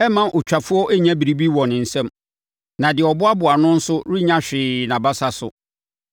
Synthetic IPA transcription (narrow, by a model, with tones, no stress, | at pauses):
ɛ˦mã˨ʔʊ˨t͡ɕᶣa˨fʊ˦ɔ˦ʔɛ˦ɲã˦bi˨ɾi˦bi˦wɔ̃˨nɪ̃˨n̩˨sɛ̃˦m | nã˨dɪ˨ɔ˨bʊ˦a˦bʊ˨a˨nʊ̃˦n̩˦sʊ˦ɾi˦ɲã˦ɕᶣɪː˨˦nã˨ba˦sa˦sʊ̰˨